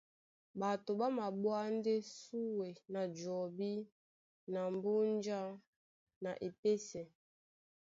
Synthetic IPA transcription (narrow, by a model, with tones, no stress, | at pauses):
ba˨to˨ba˦ma˨bwa˦nde˦su˦we˨na˨d͡ʒɔ˨bi˦ | na˨m˨bu˦nd͡ʒa˦ | na˨ʔe˨pe˦sɛ˨